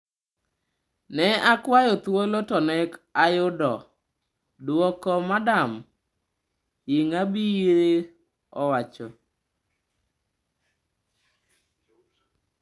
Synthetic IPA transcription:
nɛakwajɔt̪wolotɔnɛkajʊdɔ | dwɔkɔmadam | jiŋabiiɾe | ɔwat͡ʃɔ

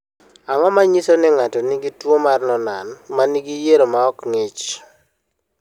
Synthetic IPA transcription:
aŋɔmaɲisonɪŋatɔniɡitwomarnɔnanmaniɡijeɾomaɔkŋet͡ʃ

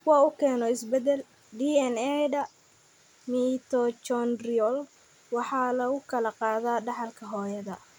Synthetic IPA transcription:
wɑːʊkʰɛːnɔɪsbɛd̪ɛl | ɖiːɛnɛdɐ | mit̪ʰɔt͡ʃɔnriɔl | wɑħɑːlɐɣʊkʰɐlɐqɑːðaːɖɑħɑlkʰɐɦɔːjɐðɐ

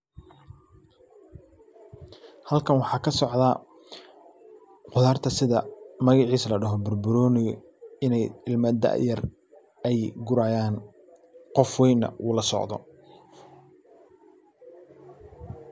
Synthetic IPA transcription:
hɐlkʰɐnwɑħɑːkʰɐsɔʕd̪ɐ | qʊðaːrt̪ʰɐsɪðɐmɐɣɑʕiːslɐɖɐɦɔbʊrbʊɾɔːnɪjɔ | ɪnɛjɪlmɐd̪ɐ̰jɐr | ɛjɡʊɾaːjaːn | qɔfwɛjnːɐ̰ʔuːlɐsɔ̰ʕd̪ɔ̰

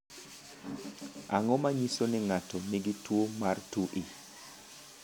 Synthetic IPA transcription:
ʔaŋɔmaɲisonɪŋatɔniɡitwomartuʔi

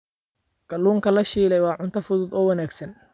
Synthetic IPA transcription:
ɡ̥ɐluːŋkʰɐlɐʃiːlɛjwɑːʕʊnt̪ʰɐfʊðʊd̪ɔːwɐnaːɡsɐn

